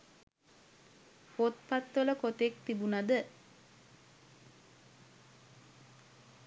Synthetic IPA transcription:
fot̪̚pat̪ʋələkot̪ekt̪ibunad̪ə

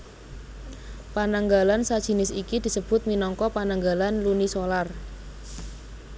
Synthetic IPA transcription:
panaŋɡalansad̥ʒ̥i̤nɪsikid̪̥i̤səb̥ʊ̤t̪̚minɔŋkɔpanaŋɡalanlunisolar

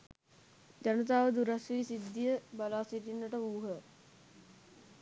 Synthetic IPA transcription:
d͡ʒanət̪aːʋəd̪uɾasʋiːsid̪ːijəbalaːsiʈinːəʈəuːɦə

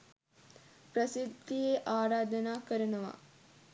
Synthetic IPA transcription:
pɾəsid̪ijeʔaːɾaːd̪ənaːkəɾənəʋa̰

